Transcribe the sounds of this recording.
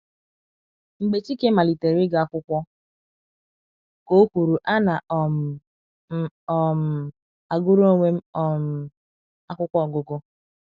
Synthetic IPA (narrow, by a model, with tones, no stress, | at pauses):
ŋ͡m̩˨ɡ͡be˨t͡ʃi˦ke˦ma˨li˨te˨ɾi˦ɡa˨a˦˨kʷʊ˦kʷɔ˦ | ko˦kʷu˨ɾu˨ʔa˦na˨ʔɔ˨˦˨ | m̩˨ | a˨ɡʊ˦ɾo˦ŋʷe˦m̩˦ɔ˨ | a˦kʷʊ˦kʷɔ˦˨ɡʊ˨ɡʊ˦